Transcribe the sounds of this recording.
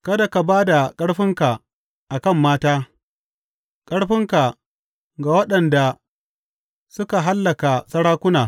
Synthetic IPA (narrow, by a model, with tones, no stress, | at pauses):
kɐ˦da˨ka˨baː˦da˨kʼɐ˦ɽɸɪ˦ŋka˨ | ʔa˨kɐ˦˨mːaː˦taː˦ | kʼɐ˦ɽɸɪ˦ŋka˨ | ɡa˨wɐ˦ɗɐ˨nda˨ | sʊ˦ka˨ɦa˦lːɐ˨ka˨sɐ˦ɽaː˦kʷʊ˦naː˨